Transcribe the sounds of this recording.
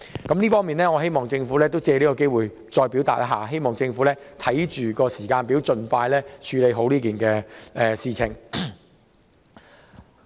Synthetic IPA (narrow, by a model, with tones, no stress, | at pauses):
kɐ˨˥mliː˥fɔː˥ŋmiː˨nlɛː˥ŋɔː˨˧ɦe˥jmɔː˨ŋt͡sɪ˧ŋfuː˨˥lɛː˥t̪̬o˥wt͡sɛː˧liː˥kɔ˧ke˥jwuː˨j | t͡ʃɔː˧jpi˨˥wt̪aː˨t̚ʔɐ˦˥ɦaː˨ɦe˥jmɔː˨˩ŋt͡sɪ˧ŋfuː˨˥lɛː˥t̪ʰɐ˨˥jt͡ʃyː˨kɔː˧siː˨˩kaː˧npiː˨˥wt͡ʃɵ˧nfaː˧jlɛː˥t͡ʃʰyː˨˧le˨˧jɦo˨˧˥wliː˥k̬iː˨˩nkɛː˧ʔɛː˨˩siː˧t͡sʰɪ˨˩ŋ